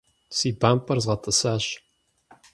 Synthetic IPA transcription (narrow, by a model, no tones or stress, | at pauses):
siːbaːmpʰʼɐrzʁɐtʰʼɨsaːɕ